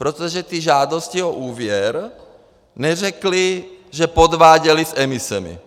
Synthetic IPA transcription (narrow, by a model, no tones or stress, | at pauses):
pɾot̪oʒɛt̪iʒaːd̪oscioʔuːvjɛɾ | nɛrɛkliʒɛpod̪ʋaːɟɛlisɛmisɛmḭ